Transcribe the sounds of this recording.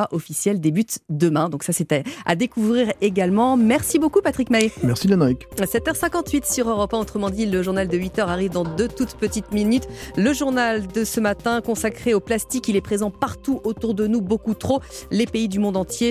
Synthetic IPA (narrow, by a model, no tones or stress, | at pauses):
aʔɔfisjɛld̪ebyt̪d̪əmɛ̃d̪ɔ̃ksasɛt̪ɛa̰d̪ekuvʁiʁeɡalmɑ̃mɛʁsibokupat̪χikmajmɛʁsilanaiksɛt̪œʁsɛ̃kɑ̃t̪ɥit̪syʁøʁɔpɛ̃ot̪χəmɑ̃d̪iləʒuʁnald̪əɥit̪œʁaʁivd̪ɑ̃d̪øt̪ut̪pət̪it̪minyt̪ləʒuʁnald̪əsəmat̪ɛ̃kɔ̃sakχeoplast̪ikʲilɛpχezɑ̃paʁt̪uʔot̪uʁd̪ənubokut̪χolepeid̪ymɔ̃d̪ɑ̃t̪je